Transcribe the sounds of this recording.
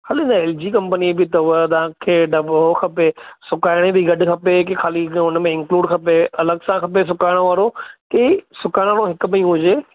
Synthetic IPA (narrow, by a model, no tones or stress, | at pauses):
kʰaːlĩnaeːld͡ʑikɐ̃mpənibɪt̪ɐʋət̪ɐãkʰeːɖɐbokʰɐpesʊkaːɪɽ̃ebɪɡɐɖkʰɐpekexʰaːliʊnmẽɪ̃ŋkluːɖkʰɐpeɐləɡsãkʰɐpes̬ʊkaːɪɽ̃ʋaːɾokesʊkaːɪɽ̃ãnõɦɪkʊmɐĩːũɦʊd͡ʑeː